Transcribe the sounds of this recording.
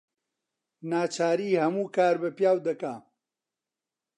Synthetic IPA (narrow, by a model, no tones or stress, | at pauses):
naːt͡ʃaːɾiːhɐmuːkaːɾbɐpjaːwd̪ɐkaː